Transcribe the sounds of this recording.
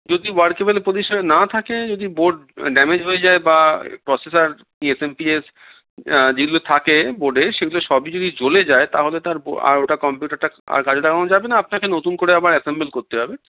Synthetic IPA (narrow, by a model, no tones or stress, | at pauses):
d͡ʑod̪iwaɾkebelpɾod̪iʃanenat̪ʰaked͡ʑod̪iboɖ̚ɖɛmed͡ʑɦojed͡ʑaebapɾɔsesaɾ | iesempies | d͡ʑeɡulot̪ʰakeboɖeʃeɡuloʃɔbid͡ʑod̪ʱid͡ʑoled͡ʑaet̪aɦolet̪aɾboa̰ɾoʈakɔmpjuʈaɾʈaa̰ɾkad͡ʑʰʱeʈakanod͡ʑabenaapnakenot̪unkoɾeabaɾɛsembelkoɾt̪eɦɔbe